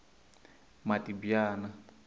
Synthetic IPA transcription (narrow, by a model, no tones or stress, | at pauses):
matʼibjaːna